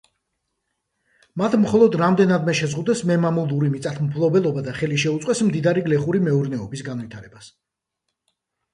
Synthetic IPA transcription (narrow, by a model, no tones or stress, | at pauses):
mat̪ʰmχɔlˠɔd̪ɾamd̪ɛnad̪mɛʃɛzʁud̪ɛsmɛmamulˠuɾimit̪sʼat̪ʰmpʰlˠɔbɛlˠɔbad̪aχɛliʃɛut̪sʼwɛsmd̪id̪aɾiɡlɛχuɾimɛuɾnɛɔbisɡanvit̪ʰaɾɛbas